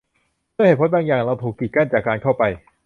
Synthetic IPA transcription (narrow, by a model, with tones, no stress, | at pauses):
mʰɯ˥˩he˨˩t̚pʰo˦˥baː˧ŋjaː˨˩ŋɾa˧wt̪ʰuː˨˩kːi˨˩ka˥˩nt͡ɕaː˨˩kːaː˧nkʰa˥˩wpa˧j